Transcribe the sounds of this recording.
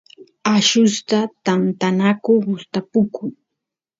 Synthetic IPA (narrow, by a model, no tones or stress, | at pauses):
aʃʊst̪at̪ant̪anakʊɢʊst̪apʊkʰʊŋ